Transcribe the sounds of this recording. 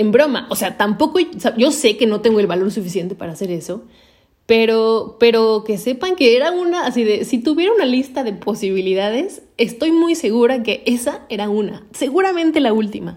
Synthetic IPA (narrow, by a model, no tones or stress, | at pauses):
embɾo̞ma̰ʔo̞se̞at̪ampo̞kosaʝo̞se̞ke̞no̞t̪e̞ŋɡoelβalo̞ɾsufis̬je̞nt̪e̞paɾaːse̞ɾe̞so̞ | pe̞ɾope̞ɾo̞ke̞se̞paŋkeeɾaunaːsiðe̞sit̪uβje̞ɾaunalist̪aðe̞po̞siβ̞iliðaðe̞sest̪o̞jmujse̞ɣuɾake̞ʔesae̞ɾauna̰se̞ɣuɾamẽ̞nt̪e̞lault̪ima̰